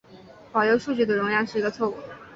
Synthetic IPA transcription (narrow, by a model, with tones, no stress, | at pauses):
pɑ˨˩ʊjo˧˥ʊʂu˥˧t͡ɕy˥˩d̪ə˩ɻʊ˧˥ŋjɑ˥˧ʂɻ̩˥˩i˧˥ɡə˧t͡sʰwɔ˥˩u˥˩